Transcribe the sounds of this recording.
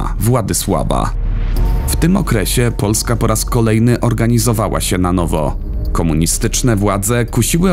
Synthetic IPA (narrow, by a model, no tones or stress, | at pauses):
vwad̪ɘswa̰ba̰ | ft̪ɘmɔ̰kɾɛɕɛpɔlskapɔɾaskɔlɛjnɘʔɔɾɡaɲizɔvawa̰ɕɛnanɔvɔ̰ | kɔmuɲist̪ɘt͡ʂnɛvwad̪zɛkuɕiwɘ